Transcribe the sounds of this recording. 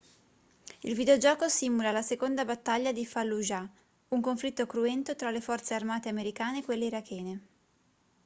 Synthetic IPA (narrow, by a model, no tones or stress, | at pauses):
ilvid̪eod͡ʒɔːkosimulalasekond̪abat̪ːaʎːad̪ifalːuʒa | uŋkoɱflit̪ːokɾuɛnt̪ot̪ɾalefɔrt̪searmaːt̪eameɾikaːnekwelːeiɾakʰːɛːne